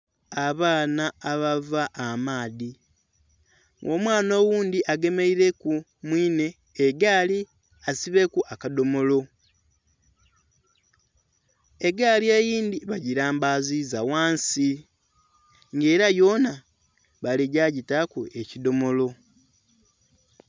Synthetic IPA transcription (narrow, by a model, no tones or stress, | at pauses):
aβaːnaːβavaʔːmaːði | ɡoːmwaːno̞ːwuːnd̪iʔaɡe̞me̞iɾe̞ku | mwiːne̞ː | ɡali | asiβe̞kuʔakado̞mo̞lo̞ | e̞ɡaːliejiːnd̪iβaɟiɾaːmbaːzizawaːnsi | ŋɡe̞ːɾajo̞ːna | βaliɟaːɟitakue̞cido̞mo̞lo̞